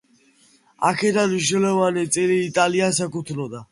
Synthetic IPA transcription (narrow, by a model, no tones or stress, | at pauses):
a̰kʰɛd̪anmiʃnɛlɔvanit̪sʼiliːt̪ʼaliasakut̪ʰlɔd̪a